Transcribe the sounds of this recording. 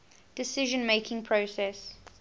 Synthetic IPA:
d̥ɪsɪʒə̃nmeɪkʰɪ̃ŋpʰɹosɛs

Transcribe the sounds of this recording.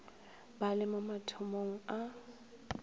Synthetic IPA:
balɪmamatʰʊmoŋ̩a

